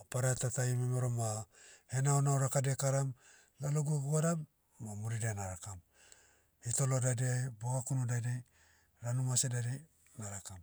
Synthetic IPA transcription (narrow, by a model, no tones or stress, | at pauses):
paɾatataimemeɾomahenaonaoɾakadekaɾam | laloɡuaɡuɡaɾamː | amuɾidianaɾakam | hito̞lo̞dadiajboɡakunudadi | ɾanumasedadi | naɾakam